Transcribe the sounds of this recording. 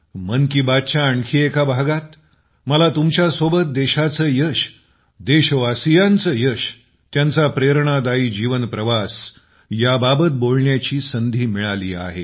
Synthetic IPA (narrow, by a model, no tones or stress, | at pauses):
mənkiːbat̪̚t͡ɕaːɳkʰiːekabʱaɡat̪ | məlat̪umt͡ɕjasobət̪̚d̪eɕat͡səːjəɕ | d̪eɕʋasijant͡səːjəɕ | t̪jãnt͡sapɾeɾɳad̪aiːd͡ʑiʋənpɾəʋas | jababət̪̚bolɳjat͡ɕiːsənd̪ʱiːmiɭalḭːa̰ɦe